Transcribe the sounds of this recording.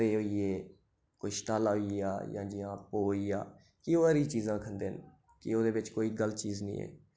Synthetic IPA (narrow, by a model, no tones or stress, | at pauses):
eːoːieː | koːiːʃʈaːlaːɦʊia̰ːjã̰ːd͡ʒɪãːpoːiːaː | kɪoːəɾiːt͡ʃiːzãːkʰənd̪eːn | kɪoːd̪eːʋɪt͡ʃkoːiːɡəlt͡ʃiːznḭ̃ːḛː